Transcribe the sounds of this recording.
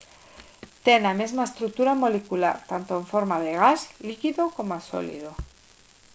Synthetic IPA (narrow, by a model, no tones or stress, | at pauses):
t̪e̞name̞zmaest̪ɾuk̚t̪uɾamo̞lekula̰ɾt̪ant̪oeɱfo̞ɾmað̞e̞ɣ̞azlikiðoko̞maso̰lḭð̞o